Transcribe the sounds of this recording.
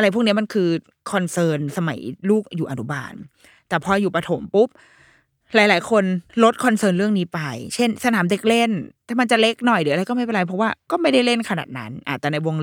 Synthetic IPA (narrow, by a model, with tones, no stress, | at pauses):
ʔa˧ɾa˧˩jʰu˥˩kni˦˥ma˧nkʰɯː˧ | kʰɔ˧nsɤː˧nsa˧ma̰˩˦jluː˥˩k̚juː˨˩ʔa˧nu˦˥ba̰ː˧˩n | t̪ɛː˨˩pʰɔː˧juː˨˩pɾa˧t̪ʰo˩˦mpu˦˥p̚ | laː˨˩˦jlaː˩˦jkʰo˧nlo˦˥t̪̚kʰɔ˧nsɤː˧nɾɯ˥˩əŋniː˦˥pa˧jt͡ɕʰe˥˩nsa˧naː˩˦mde˧˩k̚le˥˩nt̪ɛː˨˩ma˧nt͡ɕa˨˩le˦˥k̚nɔ˨˩jɾɯː˨˩˦ʔɾjkɔ˥ma˥˩pe˧˨la˧jpʰɔ˦˥waː˥˩kɔː˥˩ma˥˩jda˥˩jle˥˩nkʰa˧na̰ː˨˩t̪̚na̰˦˥nʔa̰ː˨˩t̪̚ːɛː˨˩na˧jwo˧ŋ